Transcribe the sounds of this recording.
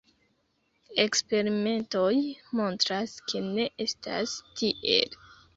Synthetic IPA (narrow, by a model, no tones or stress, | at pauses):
e̞kspe̞ɾime̞nto̞jmo̞ntɾaskʰe̞ne̞ʔe̞sta̰stiʔe̞̰l